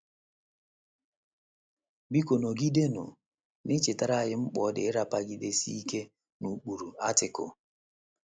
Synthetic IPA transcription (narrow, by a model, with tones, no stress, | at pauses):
bi˦ko˨no˨ɡi˦de˦nʊ̰˨ | nɪ˦t͡ʃɪ˨ta˦ɾa˦a˨jɪ˦ŋ͡m̩˦k͡pɔ˨˦dɪ˨ɪ˦ɾa˨pa˦ɡi˦de˦si˦i˦ke˦ | nu˨k͡pu˨ɾu˨a˦tɪ˨kʊ̰˨